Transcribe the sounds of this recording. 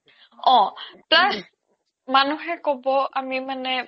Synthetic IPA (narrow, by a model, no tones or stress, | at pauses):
ɔ̃plas | manuɦɛkɔbɔʔamimanɛ